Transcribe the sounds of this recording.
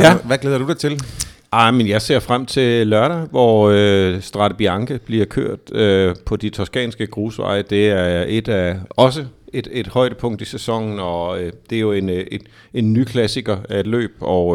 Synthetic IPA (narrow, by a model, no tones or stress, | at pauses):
jæʋæɡ̥leðˠɐdud̥ɑ̈ɪt͡sʰe̝l | ɑ̈ɪmənjɑ̈ɪse̝ɐ̰fʁam̰t͡sʰe̝lɶɐɾæʋɒøsd̥ʁɑ̈ɾ̥əb̥iɑ̈ŋɡ̥əb̥liɐkʰø̰ɐ̰d̥øpʰɒ̽d̥it͡sʰɒsɡ̥ɛ̰ːnsɡ̥əɡ̥ʁuːsʋɑ̰̈ɪd̥e̝æɐe̝d̥æɒ̽s̬əe̝d̥e̝d̥hɒ̽ɪ̰ɾ̥əpʰɔ̽ŋ̰d̥isæsɒ̽ŋ̰n̩ɒ̽d̥e̝æjo̝ene̥ | e̝nːykʰlæsiɡ̥ɐæed̥lø̰ːb̥̚ɒʊ